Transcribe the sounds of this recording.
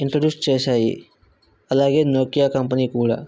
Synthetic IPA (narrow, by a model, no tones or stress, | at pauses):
ɪɳʈɾoɖjuːsʈt͡ʃeːsaːɦḭ | ɐlaːɡeːnoːkijakɐmpənikuːɽa̰